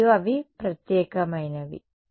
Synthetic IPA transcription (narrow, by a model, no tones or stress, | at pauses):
uɐʋipɾɐt̪jeːkɐmɐjnɐʋḭ